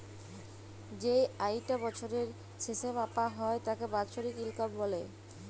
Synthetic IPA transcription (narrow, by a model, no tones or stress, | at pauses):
d͡ʑejajʈabɔt͡ɕʰoɾeɾ | ʃʰeʃebapaɦɔet̪akebat͡ɕoɾikilkabbɔle